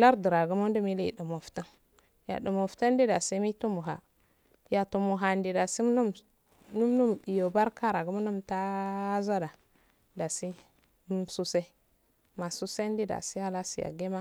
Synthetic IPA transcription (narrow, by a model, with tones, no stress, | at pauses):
la˦ɾdi˨ɾa˨ɡu˦mu˦n˦du˦mi˦li˦˨du˨mo˨fta˦ | ja̰˨du˨mo˨fta˦n˦di˦da˨se˦mi˦tu˦mu˨ɦa̰˨ | ja˨tu˨mu˨ɦa˨ndi˨da˨si˦m˦nu˦m | nu˦m˦nu˦mi˨jo˨ba˦ɾka˦ɾa˨ɡu˦mu˦nu˦mta˦za˦da˨ | da˨si˦ | su˦se˦ | ma˨su˦se˦ndi˦da̰˨si˦ha˦la˦si˨ja̰˨ɡe˦ma˦